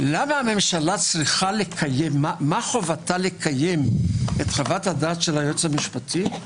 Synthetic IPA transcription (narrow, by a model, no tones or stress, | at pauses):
lamaame̞mʃalat͡sʁiχale̞kʰajemːamaχovatale̞kʰajemetχavathadaːtʃelhajot͡samiʃpatʰi